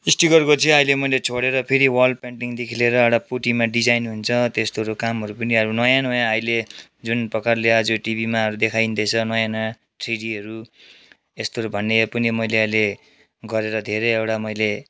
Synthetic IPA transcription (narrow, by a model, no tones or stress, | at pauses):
isʈiɡʌrkot͡sʰĩʌjlemʌjlet͡sʰoɽeɾʌpʰeɾiwʌlpaɳʈiŋd̪ekʰileɾʌewʈapuʈimaɖid͡zajnɦunt͡sʰʌt̪est̪oɾokamɦʌɾupʌniʌɾunʌjanojãʌjled͡zunprʌkarlead͡zoʈibʱimaʌɾud̪ekʰajnd̪ʌt͡sʰʌnʌjanã | ʈriɽiʌɾu | est̪oʌɾubʱʌnːepʌnimʌjleʌjle | ɡʌɾeɾʌd̪ʱeɾeewʈamʌjle